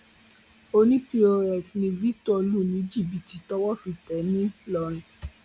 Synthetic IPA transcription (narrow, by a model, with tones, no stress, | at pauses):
o˧nĩ˦pi˧˦o˧ɾɛ˨snĩ˧vi˦ktɔ˧lu˦˨nĩ˨˦d͡ʒi˦˨bi˨ti˨tɔ˦wɔ˦˨fi˧tɛ˨˦nĩ˦lɔ˧˦ñĩ˨˦